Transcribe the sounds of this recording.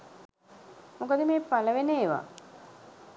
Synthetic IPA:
mokəd̪əmeːpaləʋeneːʋa̰

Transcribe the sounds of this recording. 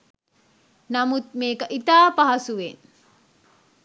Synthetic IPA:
namut̪̚meːkəʔit̪aːpaɦɐsuʋen

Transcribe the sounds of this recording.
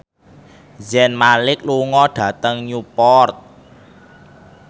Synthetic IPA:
zɛnmalɪk̚luŋɔɖ̥ä̤t̪əŋɲupɔrt̪̚

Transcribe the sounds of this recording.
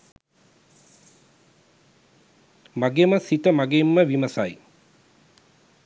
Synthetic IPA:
maɡeməsit̪əmaɡemːəʋiməsaj

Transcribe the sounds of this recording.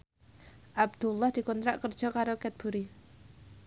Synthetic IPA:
ʔab̚d̪̥ulːɑhd̪̥i̤kɔnt̪ɾaʔkərd̥ʒ̥ɔ̤kaɾokɛt̪̚b̥uɾi

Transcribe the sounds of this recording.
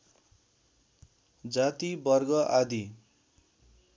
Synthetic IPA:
d͡zat̪ibʌrɡʌʔad̪i

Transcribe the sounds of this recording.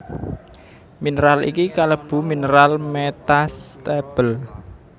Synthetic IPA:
minəɾalḭkikaləb̥ṳminəɾalmet̪ast̪eb̥əl

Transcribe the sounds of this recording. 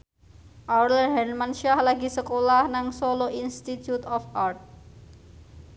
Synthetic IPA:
ʔawlərɦɛnmanʃiahlaɡisəkolahnaŋsoloʔinst̪it̪jut̪ɔfart̪̚

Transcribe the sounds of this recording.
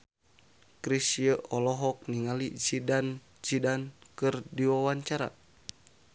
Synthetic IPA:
kɾisjəʔɔlɔɦɔk̚niŋalisidan | d͡ʒidankɨrdiwawaɲt͡ʃaɾa̰

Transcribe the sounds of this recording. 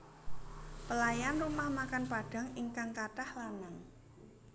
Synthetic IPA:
pəlajanrumahmakanpaɖ̥ä̤ŋiŋkaŋkaʈahlanaŋ

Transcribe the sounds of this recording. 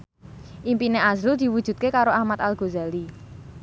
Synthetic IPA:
ʔimpineʔazɾud̪̥i̤wud̥ʒ̥ṳt̪̚kekaɾoahmat̪alɡ̥o̤zali

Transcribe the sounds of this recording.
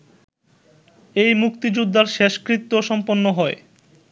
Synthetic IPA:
ejmukt̪id͡ʑud̪ʱːaɾʃeʃkɾit̪ːoʃɔmponːoɦɔe

